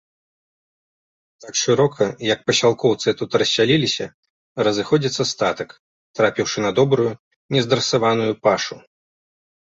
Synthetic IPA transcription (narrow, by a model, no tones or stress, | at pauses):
t̪akʂɨɾɔkʰɐjɐk̚pɐɕʲalˠkɔwt̪sɨt̪ut̪ɾɐsʲːalʲilʲisʲɐ | rɐzɨxɔd͡zʲit̪sɐst̪at̪ɐk | t̪ɾapʲiwʂɨnɐd̪ɔbɾuju | nʲɛzd̪ɐrsavanujupaʂu